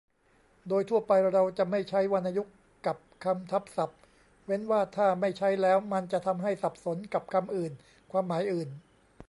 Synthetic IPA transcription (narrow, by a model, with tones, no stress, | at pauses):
doː˧jt̪ʰu˥˩əpa˧jɾa˧wt͡ɕa˨˩ma˥˩jt͡ɕʰa˦˥jwa˧nʔa˧ju˦˥kːa˨˩p̚kʰa˧mt̪ʰa˦˥p̚sa˨˩p̚ | we˦˥nwaː˥˩t̪ʰaː˥˩ma˥˩jt͡ɕʰa˦˥jlɛː˦˥wma˧nt͡ɕa˨˩ʔt̪ʰa˧mɦa˥˩jsa˨˩p̚so˩˦nka˨˩p̚kʰa˧mʔɯː˨˩n | kʰwaː˧mːaː˩˦jʔɯː˨˩n